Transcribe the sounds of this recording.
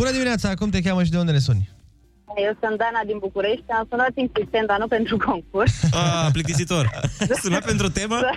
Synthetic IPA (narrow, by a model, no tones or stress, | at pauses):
bunəd̪imineat̪saːkumt̪̬e̞kʲaməʃ̬id̪eund̪elesunʲ | ajewsund̪anad̪inbukuɾeʃt̪ʲamsunat̪insist̪enanupent̪ɾukoŋk̚ursaplikt̪isit̪orsunapent̪ɾut̪eməa